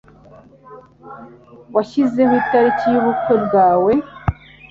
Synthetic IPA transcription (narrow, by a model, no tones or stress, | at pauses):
waʃize̞ɦuitaɾiciβukeɾɡaːwe̞